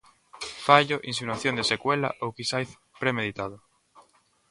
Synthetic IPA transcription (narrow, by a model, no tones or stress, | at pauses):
faʎoʔinsinaθjond̪esekwela̰ʔowkisajθ | pɾemeðit̪að̞o